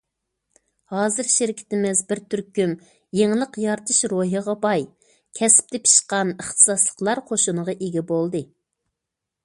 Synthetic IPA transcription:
hɑːzɨɾʃɪɾɪkʲʰɪ̥t̪ɪmɪzbɪɾt̪ʰyɾkʲym | jeŋlˠəqjɑɾt̪ʰɨʃɾoɦəʁɑbɑj | kʲʰɛsɪ̥p̚t̪ʰɛpʰi̥ʃqɑnəχt̪ʰɨ̥sɑslˠə̥qlˠɑɾqʰoʃunəʁɑʔeɡʲɛbolˠd̪ɨ

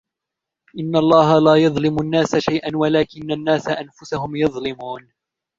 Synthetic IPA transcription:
ʔɪnːalˤːɑːɦalaːjɑðˤlɪmʊnːaːsaʃajʔanwalaːkɪnːanːaːsaʔanfʊsaɦʊmjɑðˤlɪmuːn

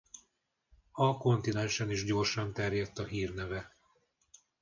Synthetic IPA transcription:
ɒko̞nt̪inɛnʃɛniʒɟo̞ːrʃɒnt̪ɛrjɛt̪ːɒɦiːrnɛvɛ

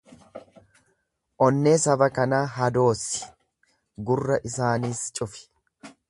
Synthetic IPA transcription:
ʔɔnːeːsɐbɐkɐnaːɦɐd̪o̞ːsɪ̥ | ɡʊrːɐʔɪsaːniːst͡ʃʼʊfɪ̥

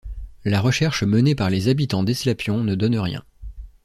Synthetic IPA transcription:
laʁəʃɛʁʃmənepaʁlezabit̪ɑ̃d̪ɛslapjɔ̃nəd̪ɔnʁjɛ̰̃

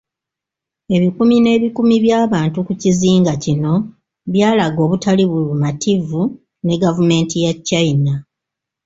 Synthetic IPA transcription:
e̞βikumine̞ːβikumiβjaːβaːntukuciziːŋɡacino̞ | βjaːlaɡo̞ːβutaliβulumatʰivu | ne̞ɡavume̞ːntijat͡ʃːaina

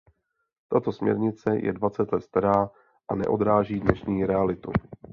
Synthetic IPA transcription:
t̪at̪o̞smɲɛ̰ɾɲɪt͡sɛjɛ̰dvat͡sɛt̪lɛt̪st̪aɾaː | ʔanɛ̰ʔo̞d̪ɾaːʒiːdnɛʃɲiːɾɛalɪt̪ṵ

